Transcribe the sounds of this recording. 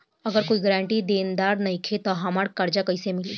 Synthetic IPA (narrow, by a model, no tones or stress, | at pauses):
əɡəɾkoːiɡəɾaɳʈiːd̪end̪aɾnəikʰet̪ɔɦamaɽkaɾd͡ʑakəjsemɪliː